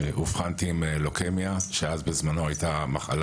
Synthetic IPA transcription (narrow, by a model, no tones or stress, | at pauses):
ʔufχant̪iːmelokemjaʃeazbezmano̞ajt̪amaχa̰l